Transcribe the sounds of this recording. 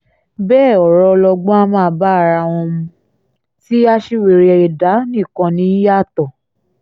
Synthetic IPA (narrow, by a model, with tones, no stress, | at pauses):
bɛː˦˨ɔ˨ɾɔ˧lɔ˧ɡ͡bɔ̃˦a˧˦mãː˦˨˦ba˦a˧ɾa˧w̃ɔ̃˧mũ˧ | ti˦a˦ʃi˦we˨ɾe˨ɛ˧i˨da˨˦nĩ˦˨kɔ̃˧nĩ˨˦ja˦˨tɔ˨